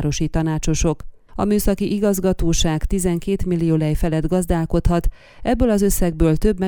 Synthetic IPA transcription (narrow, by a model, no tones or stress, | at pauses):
ɾo̞ʃit̪ɒnaːt͡ʃo̞ʃo̞k | ɒ̰myːsɒkiʔiɡɒzɡɒt̪oːʃaːkt̪izɛŋkeːt̪milːijoːlɛjfɛlɛd̪ɡɒzd̪aːlko̞t̪hɒt̪ | ɛbːøːlɒzø̞sːɛɡ̚bøːlt̪ø̞bmɛ